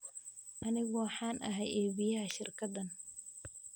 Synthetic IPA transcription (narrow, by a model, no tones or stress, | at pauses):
ʔɐnɪɣɔwɑħɑːnʔɐɦɛjʔɛːβijɐɦɐʃɪrkʰɐd̪ɐn